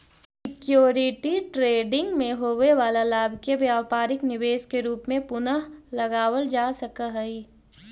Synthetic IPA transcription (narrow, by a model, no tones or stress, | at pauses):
ssɪkjoːɾɪʈiʈɾeːɖɪ̃ŋɡmẽɦoːʋeʋaːlalaːbʱkeʋjaːʋpaːɾɪknɪʋeːʃkeɾuːpmẽpʊnəɦlɐɡaːʋəld͡ʒaːsɐkəɦɛi